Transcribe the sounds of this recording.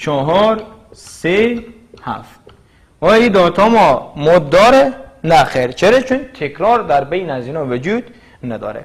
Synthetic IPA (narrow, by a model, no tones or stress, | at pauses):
t͡ʃʰɔɦɔɾ | se | hæ̰ft | ɔːjid̪ɔːt̪ʰɔːmɔmɔd̪ːɒːɾenæxeɾt͡ʃʰeɾet͡ʃʰunt̪ʰekʰɾɔːɾd̪æɾbejnæzinɔːved͡ʒud̪ | næd̪ɔ̰ːɾḛ